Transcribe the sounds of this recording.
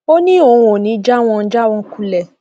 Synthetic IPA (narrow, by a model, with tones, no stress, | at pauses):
o˦nĩ˦o˨wo˨nĩ˨˦d͡ʒa˦˨w̃ɔ̃˧n̩˦d͡ʒa˦˨w̃ɔ̃˧ku˨˧lɛ˨